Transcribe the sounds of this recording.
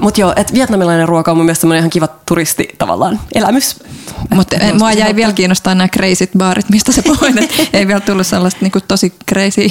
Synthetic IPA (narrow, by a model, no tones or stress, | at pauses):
mut̪joːʔet̪ʋiɛt̪nɑmilɑineruokɑomumielst̪semːonenihɑŋkiʋɑt̪urist̪ḭt̪ɑ̰ʋɑ̰lːɑ̰ːnelæ̰mysmut̪moɑjæiʋiælkiːnost̪ɑːnæːkreisit̪ʋɑːrit̪mist̪æsepoinet̪eiʋiælt̪ulːusselːɑst̪niːŋkutt̪osikreisiː